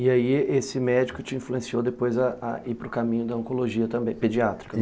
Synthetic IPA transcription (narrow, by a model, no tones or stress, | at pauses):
ɪaiesɪmɛd͡ʒikʊt͡ʃɪĩfluẽsiowd̪epojzɐːipɾʊkamĩɲʊd̪ɐɐ̃ŋkoloʒiɐt̪ɐ̃mbẽj̃ped͡ʒiat̪ɾi̥kɐ